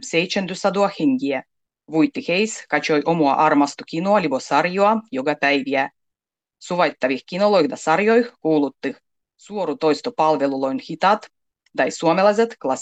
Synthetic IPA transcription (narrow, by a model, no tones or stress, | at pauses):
sʲejt̪t͡ʃænd̪ysɑd̪uɑxeŋɡiæ | ʋujt̪ːixejskɑt͡ɕojʔomuɑ̰ʔɑrmɑst̪ukinoɑlʲibosɑrjoɑjoɡɑpæjʋiæ | suʋɑjt̪ːɑʋixkinolojxd̪ɑsɑrjojxkuːlut̪ːix | suoɾut̪ojst̪opɑlʋelulojnxit̪ɑt̪ | d̪ɑjsuɔmelɑjzʲet̪klˠɑs